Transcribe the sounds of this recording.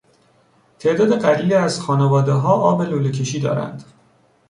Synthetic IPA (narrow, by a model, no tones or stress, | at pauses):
t̪ʰe̞ʔd̪ɒːd̪eɢæɾiːlæzxɒːnevɒːd̪eɦɒːʔɒːbe̞loːlecʰe̞ʃiːd̪ɒ̰ːɾæ̰nd̪̥